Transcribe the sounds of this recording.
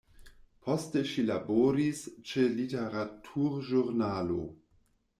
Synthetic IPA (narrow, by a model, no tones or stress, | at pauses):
pʰosteʃilaboɾist͡ʃeliteɾatʰuɾʒuɾnaːlo̰